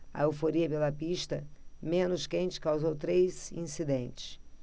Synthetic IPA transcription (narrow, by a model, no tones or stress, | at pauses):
ɐ̰ewfoɾiɐpelɐpiʃt̪ɐmẽnʊʃkẽnt͡ʃɪ̥kawzowt̪ɾezḭ̃sid̪ẽnt͡ʃɪ̥s